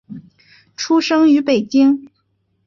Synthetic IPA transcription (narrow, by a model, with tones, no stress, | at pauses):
ʈ͡ʂʰu˥ʂɤ˥ŋy˧˥pe˨˩ɪt͡ɕi˥ŋ